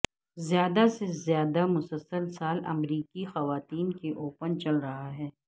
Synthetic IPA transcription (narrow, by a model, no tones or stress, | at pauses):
zjaːd̪asezjaːd̪amʊsəlsəɾsaːlɐ̰mɾiːkixɐʋaːt̪iːnkeʔoːpənt͡ʃɐlɾɐɦaɦɛː